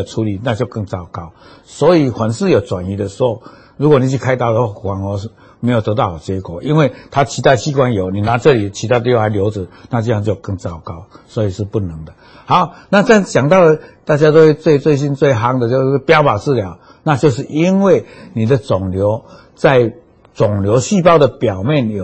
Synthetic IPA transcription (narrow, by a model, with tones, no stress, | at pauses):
ə˨˩t͡sʰu˨˧˥li˨˩na˥˧t͡ɕjo˥˧ʊkə˥˧ŋt͡sɑ˥˧˩ʊka˥ʊswɔ˧˥i˨˩xwa˨˦ns̩˥˨jo˨˩ʊt͡swa˨˩ni˨˩d̪ə˨ʂ̩˧˦˥ho˥˧ʊ | ɻu˧˥kwɔ˨˩ni˨˩t͡ɕʰy˥˧kʰa˥ɪɑ˥˩ʊd̪ə˩wa˥˧˥xwa˨˩˦ŋhɤ˧˥˦ʂ̩˥˩ | me˧˥ɪjt̪ə˧˦t̪ɑ˥˩ʊha˨˩t͡ɕjɛ˧˥kwɔ˨˩ʔi˦˥nwe˥˩ɪt̪ʰa˥˦t͡ɕʰi˧˥t̪a˥˩ɪɕi˧˥kwa˦njo˨˩ʊni˨na˧˦t͡sɤ˥˨li˨˩t͡ɕʰi˧˥t̪ʰa˥d̪jo˥˩a˨˧ɪljo˧˥ʊd͡z̩˨na˥˧t͡ɕi˥˧a˥˧ŋt͡ɕjo˥˩ʊkə˥˧ŋt͡sɑ˥˩ʊka˥ʊswɔ˧˥i˨˩ʂɻ̩˥˧pu˥˩nə˨˦ŋd̪ə˨ | ha˧˦ʊna˥˨t͡ɕa˥˧nt͡ɕja˨˩ŋt̪ɑ˥˩ʊdə˩t̪a˥˩t͡ɕja˥t̪o˥ʊwe˥˧ɪt͡swe˥˧ɪt͡swe˥˧ɪɕ̬i˧˥nt͡swe˥˩ɪɦa˧˥ŋd̪ə˨t͡ɕjo˥˧ʊ˥˩pjɑ˥ʊpa˨˩t͡sɹ̩˥˨lja˨˦ʊ | na˥˧t͡ɕjo˥˧ʊʂ̬ɻ̩˥˩ʔi˦˥nwe˥˩ɪnĩ˨˩d̪ə˨t͡sɔ˨˩ŋljo˧˦ʊ | t͡sa˥˩ɪ | t͡sɔ˨˩ŋljo˧˦ʊɕy˥˧pɑ˥˩ʊd̪ə˨pjɑ˨˩ʊmjɛ˥˨njo˨˩